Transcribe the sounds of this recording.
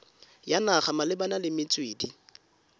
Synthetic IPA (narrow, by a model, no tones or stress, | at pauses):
janaχamalɪbanalɪmɪt͡sʼweːdi